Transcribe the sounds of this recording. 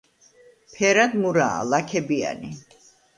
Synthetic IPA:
pʰɛɾad̪muɾa̰ːlakʰɛbia̰ni

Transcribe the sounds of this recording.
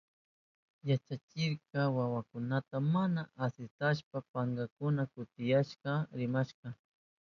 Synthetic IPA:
jat͡ʃat͡ʃɪɾkɑwawakʊnat̪amanaʔasɪt̪aʃpapaŋɡakʊnakʊt̪ɪjaʃqɑɾɪmaʃqɑ

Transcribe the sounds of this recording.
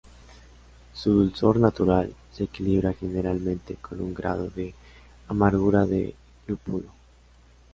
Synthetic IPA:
suðulso̞ɾnat̪uɾalseːkiliβɾaxe̞ne̞ɾalmẽnt̪ekʰo̞nuŋɡɾa̰ð̞o̞ðe | amaɾɣuɾaðḛ | lupulo

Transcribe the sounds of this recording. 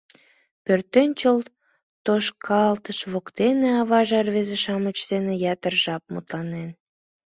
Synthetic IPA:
pørt̪enʲt͡ɕol | t̪oʃkʰɑlt̪əʃβokt̪eneɑβɑʒɑrβezeʃɑmət͡ɕd̪enejɑt̪ərʒɑp̚mṵt̪lɑnen

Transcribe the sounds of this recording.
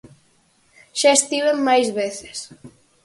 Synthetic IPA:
ʃaest̪iβemmːajzβeθe̥s

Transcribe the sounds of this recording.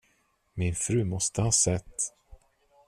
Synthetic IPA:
mɪnfɾʉ̟ːmɔst̪əhɑːsɛt̪ː

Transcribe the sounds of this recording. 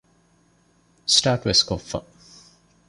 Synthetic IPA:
sʈaːʈʋɪskofə̰

